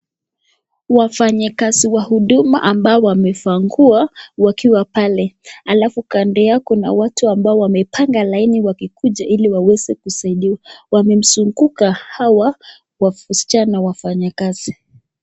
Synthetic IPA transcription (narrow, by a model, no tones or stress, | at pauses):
wafaɲakaziwahuɗuma̰ʔambaɔwamɛfaŋɡuawakiwapalɛhalafukandɛakuna̰watuambaɔwamɛpʰaŋɡalainiwakikuʄaʔiliwawɛzɛkusaiɗiwawamɛm̩suŋɡukahawa | wafusi̥t͡ʃanawafaɲakaz̥i